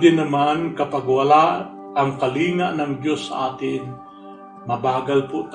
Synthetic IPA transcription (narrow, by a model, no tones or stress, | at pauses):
d̪ɪnɐmankɐpaɡwɐla | ʔɐŋkɐliːŋaʔnɐŋd̪josːɐ̰ʔaːt̪ɪn | mɐbaːɡalpʊʔt̪